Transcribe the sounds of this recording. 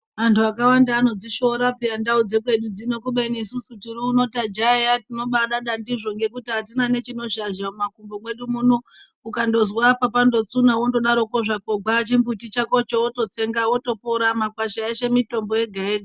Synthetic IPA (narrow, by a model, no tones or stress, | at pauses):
ʋantʰuakawandaːno̞d͡ziʃo̞ɾapiandaud͡ze̞kwe̞ɗud͡zino̞kuɓenisusutiruːno̞tad͡ʒajatino̞ɓaɗaɗandiʐo̞ŋɡe̞kutiɦatinane̞t͡ʃino̞ʃaʒamumakumbomwe̞ɗumuno | ukando̞zwapapando̞t͡sunawondo̞ɗaɾo̞ko̞ʐako̞ɡ͡bat͡ʃimbutit͡ʃako̞t͡ʃowoto̞t͡se̞ŋɡawo̞to̞poɾamakwaʃaeʃe̞mito̞mbo̞je̞ɡʱaeːɡʱa